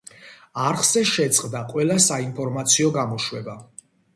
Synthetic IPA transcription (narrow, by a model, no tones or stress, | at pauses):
aɾχz̥ɛʃɛt̪sʼqʼd̪aqʼwɛlasainpʰɔɾmat̪sʰiɔɡamɔʃwɛba